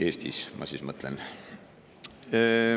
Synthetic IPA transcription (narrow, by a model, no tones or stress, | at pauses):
e̞ːst̪ḭsmʔɑ̰sismɤt̪ːˑlḛn